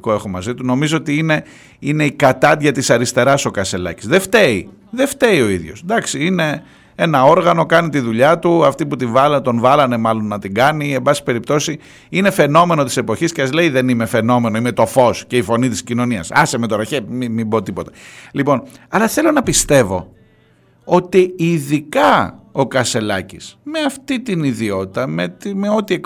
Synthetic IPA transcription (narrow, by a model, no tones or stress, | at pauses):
ko̞e̞xo̞mɐzit̪uno̞mizoot̪iine̞ | ine̞ikɐt̪ɐt̪ʝɐt̪isɐɾist̪e̞ɾɐso̞kɐse̞lɐ̰ci̥zðeft̪e̞i | ðe̞ft̪e̞io̞iðʝo̞̰sd̪ɐksiine̞ | e̞nɐo̞ɾɣɐno̞kɐnit̪iðuʎɐt̪uɐft̪iput̪ivɐlt̪o̞nvɐlɐne̞mɐlo̞nːɐt̪iɡɐnie̞bɐsi̥pe̞ɾip̚t̪o̞si | ine̞fe̞no̞me̞no̞t̪i̥se̞po̞çiscesɐzle̞iðe̞nime̞fe̞no̞me̞no̞ime̞t̪o̞fo̞sce̞ifo̞nit̪iscino̞niɐ̰sɐsemet̪o̞ɾɐçemimibot̪ipo̞t̪ɐ̥lipo̞nɐlɐθe̞lo̞nɐpist̪e̞vo̞̰ | o̞t̪iiðikɐo̞kɐse̞lɐcḭsme̞ɐft̪it̪iniðio̞t̪it̪ɐmet̪meo̞t̪iek